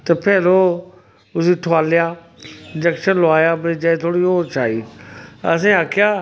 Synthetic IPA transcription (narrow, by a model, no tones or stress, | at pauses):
t̪ɐpɛːlo | ʊsiːʈʰʊaːlɪjaː | ɪd͡ʒɛkʃənlʊaːjaːbɐĩd͡ʒãt̪ʰoːɽioːt͡ʃʰaːiːɐ̰s̬ẽːaːkʰɪjaː